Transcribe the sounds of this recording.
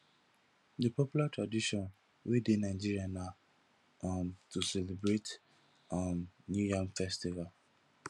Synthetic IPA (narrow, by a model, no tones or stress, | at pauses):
dəpʰɔpjulatʰɹadiʃɔ̃n | wʔidenaɪd͡ʒiɹiana | mtʰusɛlebɹet | amnjujãmfɛstival